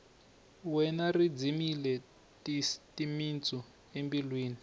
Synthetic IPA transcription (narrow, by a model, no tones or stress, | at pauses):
wɛnarid͡zimilɛ | titimint͡sʼɔ | embilwiːni